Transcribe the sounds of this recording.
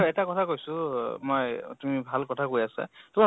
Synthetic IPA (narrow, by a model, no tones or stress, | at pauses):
ɛtakɔtʰakojsʊmojtumibʱalkɔtʰakoiasa̰tuma